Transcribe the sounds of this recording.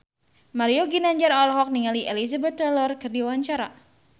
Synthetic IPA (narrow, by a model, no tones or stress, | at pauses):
maɾioɡinaɲd͡ʒaɾɔlɦɔk̚niŋaliʔelizabɛt̪ːɛlɔrkɨrdiwaɲt͡ʃaɾa̰